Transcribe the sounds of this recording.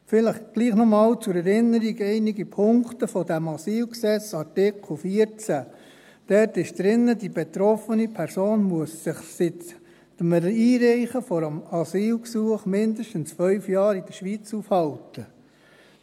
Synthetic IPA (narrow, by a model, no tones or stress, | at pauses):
fɪləχɡ̥liːχnɔmɑːlt͡sʊɾɛɾɪnːəɾiɡɛɪniɡipʰʊŋktəfɔdæmɑsiːlksɛt͡sɑɾtɪkʰl̩ˠfiəɾt͡sæ | d̥ɛɾtɪʃd̪̥ɾɪnːədibet̪ɾɔfənipʰɛɾsoːnmuəsːɪχsɪt | təmiːɾæɪχəfɔɾəmɑsiːlksuəχmɪndəʃtənsfœʏfjɑːɾid̥əɾʃʋiːt͡sufhɑltə